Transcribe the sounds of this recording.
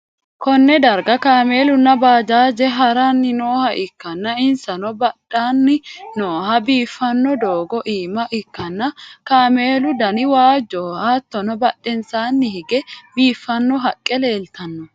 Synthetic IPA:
kɔnːɛd̪ɐɾɡɐkaːme̞ːlʊnːɐbaːd͡ʒaːd͡ʒɛɦɐɾɐnːɪnoːhɐʔɪkːɐnːɐɪnsɐnɔbɐᶑːaːnːɪnoːɦɐbiːfːɐnːɔd̪oːɡɔʔiːmɐʔɪkːɐnːɐkaːme̞ːlʊd̪ɐnɪwaːd͡ʒːɔhaːt̪ːɔnɔbɐɗɛnsaːnːɪhɪɡɛbiːfːɐnːɔɦɐkʼːɛleːlt̪ɐnːɔ

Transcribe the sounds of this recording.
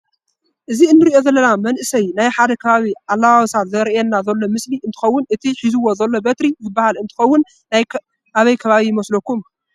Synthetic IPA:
ʔɨziɨnːɨɾiʔo̞zɐlːɐnamɐnʔɨsɐjnajħad̪ɐkʰɐβaβiʕalːawawsat̪zɐɾiʔenːazɐlːo̞mɨsliʔɨnt̪ʰɨ̥xɐwːʊnʔɨt̪ʰiħizɨwːo̞zɐlːo̞bɐt̪ɾizɨbːahalɨnt̪ʰɨ̥xɐwːʊn | naj | ʔaβɐjkʰɐβaβijɪmɐslokʰːum

